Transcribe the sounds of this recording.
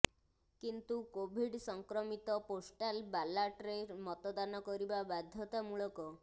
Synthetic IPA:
kint̪ukobʱiɖsɔŋkɾɔmit̪ɔposʈalbalaʈɾeɾmɔt̪ɔd̪anɔkɔɾibabad̪ʱjɔt̪amuɭɔkɔ

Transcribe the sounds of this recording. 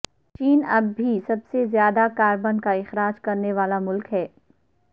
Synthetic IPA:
t͡ʃiːnɐbʱːisɐbsezjaːd̪akaːɾbənkaɪxɾaːd͡ʒkɐɾneʋaːlamʊlkɦɛː

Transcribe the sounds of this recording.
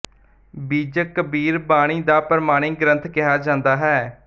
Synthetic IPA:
biːd͡ʒəkəbiːɾbaːɽ̃iːd̪aːpəɾəmaːɽ̃iːɡɾə̃nt̪ʰkɪɦaːd͡ʒãːnd̪aːɦɛː

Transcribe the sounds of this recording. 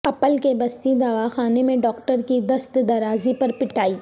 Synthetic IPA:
ɐpəlkebɐst̪id̪ɐʋaxaːnemẽɖɔːk̚ʈəɾkid̪ɐst̪d̪ɐɾaːzipɐɾpɪʈaːiː

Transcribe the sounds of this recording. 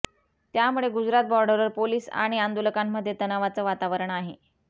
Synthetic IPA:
t̪jamuɭeɡud͡zɾat̪̚bɔɾɖəɾəɾpoliːsa̰ɽ̃iand̪oləkamːəd̪ʱːjet̪ənaʋat͡səːʋat̪aʋəɾəɳaɦe

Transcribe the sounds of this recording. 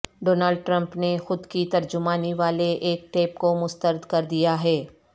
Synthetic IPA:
ɖoːnaːlɖ̚ʈɾɐ̃mpnexʊd̪kit̪ɐɾd͡ʒʊmaːniʋaːleʔeːk̚ʈeːpkomʊst̪əɾd̪kɐɾd̪ijaɦɛː

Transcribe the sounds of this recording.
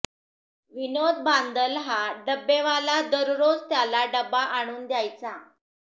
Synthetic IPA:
ʋinod̪band̪əlɦaɖəbːeʋalad̪əɾɾod͡zt̪jalaɖəbaʔaɽ̃uːnd̪jajt͡sa

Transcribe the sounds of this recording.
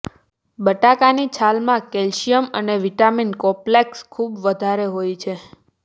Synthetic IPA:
bəʈakanit͡ʃʰalmãkɛlʃijəməneʋiʈaminkɔ̃plekskʰubʋəd̪ʱaɾeɦojt͡ʃʰe

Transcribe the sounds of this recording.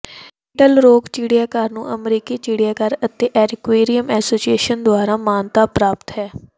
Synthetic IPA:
ɪʈəlɾoːkt͡ʃiːɽijaːkəɾnṵ̃ːʔəmɾiːkiːt͡ʃiːɽɪjaːkəɾət̪eːʔɛːɾɪkweːɾijəmɛːsoːsijeːʃənd̪ʊaːɾaːmaːnt̪aːpɾaːpt̪ɦɛː

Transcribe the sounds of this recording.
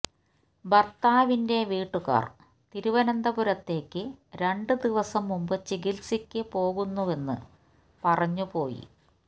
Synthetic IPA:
bɐrt̪aːʋinde̞ʋiːʈːuɣa̰ːr | t̪iɾuʋɐnɐnd̪ɐbuɾɐt̪ːe̞ːkːɨɾe̞ɳɖɨd̪iʋɐsɐmːumbɨt͡ɕiɡilsikʲːɨpo̞ːɣunːuʋe̞nːɨ̰ | pɐrɐɲːupo̞ːjḭ

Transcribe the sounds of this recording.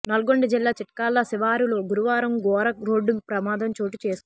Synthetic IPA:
nɐlɐɡo̞ɳɖid͡ʒilːaːt͡ʃiʈɐkaːlːɐsiʋaːɾiloːɡuɾuʋaːɾɐmɡɔːɾɐkɾo̞ːɖːumpɾɐmaːd̪ʱɐmt͡ʃoːʈit͡ʃe̞ːsk̪u

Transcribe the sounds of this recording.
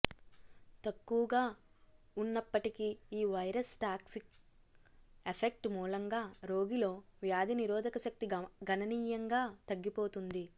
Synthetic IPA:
t̪ɐkːuʋɐɡaː | unːɐpːɐʈikiiːʋɐjɾɐsʈaːksik | epʰek̚ʈmuːlɐŋɡaːɾo̞ːɡilo̞ːʋjaːd̪ʱiniɾɔːd̪ʱɐkɐʃɐk̚t̪iɡʱɐnɐniːjɐŋɡaːt̪ɐɡːipo̞ːt̪und̪i

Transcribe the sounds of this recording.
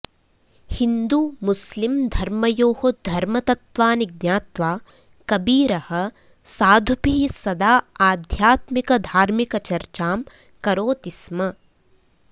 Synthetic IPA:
hind̪umuslimd̪ʱɐɾmɐjoːhod̪ʱɐɾmɐt̪ɐt̪ʋaːniɡnʲaːt̪ʋaː | kɐbiːɾɐhɐ̆ | saːd̪ʱupiːsɐd̪aːaːd̪ʱjaːt̪mikɐd̪ʱaːɾmikɐt͡ʃɐɾt͡ʃaːm | kɐɾoːt̪ismɐ

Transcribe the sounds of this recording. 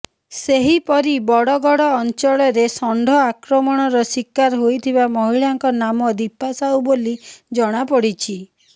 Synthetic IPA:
seɦipɔɾibɔɽɔɡɔɽɔːnt͡ʃɔɭɔɾesɔɳɖʱɔakɾɔmɔɽ̃ɔɾɔsikːaɾɦojt̪ʰibamɔɦiɭaŋkɔnamɔd̪ipasawbolid͡ʒɔɽ̃apɔɽit͡ʃʰi

